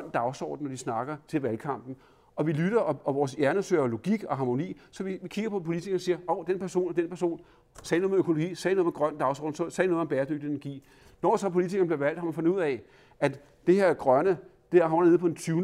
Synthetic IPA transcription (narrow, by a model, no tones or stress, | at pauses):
n̰d̥ɑ̈ʊsɒ̰ːd̥n̩ːɒdisnɑ̈ɡ̥ɐt͡sʰe̝lʋælkʰɑ̈m̰b̥n̩ | ɒ̽ʋilyɾ̥ɐʔɒ̽ɒ̽ʋɒːsjæɐnəsøɐlo̝ɡ̥iɡ̥ɒ̽ɦɑ̈ːmo̝nḭːsɒ̽ʋiʋikʰiɡ̥ɐpʰɒ̽pʰo̝lit͡sʰiɡ̥ɐnsiːɐɒʊd̥enpʰæɐso̝̰ːnæd̥enpʰæɐso̝̰ːn | sɛːnoðˠmøkʰo̝loɡ̥ḭːsɛnoð̩ˠmeɡ̥ʁɶn̰d̥ɑ̈ʊsɒ̰ːdn̩sɒsɛnoːð̩ˠɒmbɛːɐd̥øɡ̥̚d̥ie̝næɐɡ̥ḭː | nɒ̰ːsɒ̽pʰo̝lit͡sʰiɡɐnb̥liɐʋæl̰d̥hɑ̈mænfɔ̽nd̥uð̰ˠɛ | ʔæd̥ | d̥e̝heɐɡ̥ʁɶnəd̥eæɐɦɑnɐne̝ð̰ˠpʰɒ̥̽ent͡sʰyːn